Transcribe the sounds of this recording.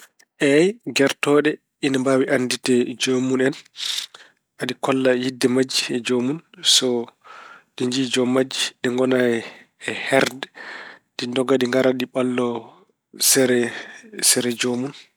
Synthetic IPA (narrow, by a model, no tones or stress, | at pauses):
ʔɛjɡɛɾtɔɗɛ | inambawiʔanditɛd͡ʒomunɛn | ʔaɗikɔlːajidːɛmad͡ʒːiɛd͡ʒomunsɔ | ɗiɲd͡ʒiːd͡ʒɔmad͡ʒːiɗɛŋɡɔnajɛ | ɛhɛɾdɛd̥indɔɡaɗiŋɡaɾaɗiɓalːɔ | sɛɾɛsɛɾɛd͡ʒomun